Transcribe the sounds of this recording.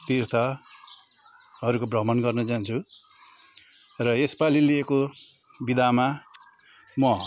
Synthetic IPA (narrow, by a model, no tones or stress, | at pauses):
t̪irt̪ʰʌ | ʌɾukobrʌmʌnɡʌrnʌd͡zant͡sʰu | rʌespalilieko | bid̪ʱama | mʌ